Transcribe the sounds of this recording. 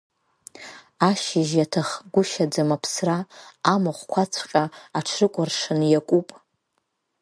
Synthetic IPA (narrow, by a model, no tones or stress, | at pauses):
aʃɪʒjatʰaχɡʷʊʃad͡zamapʰsraːmaχʷkʷʰat͡sʷʰqʲʼaaʈ͡ʂʰrɨkʷʼʊrʂɨnjakʷʼupʼ